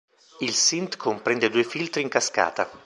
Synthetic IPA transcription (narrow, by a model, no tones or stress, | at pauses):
ilsint̪kʰompɾɛnd̪ed̪uːefilt̪ɾiŋkaska̰ːt̪a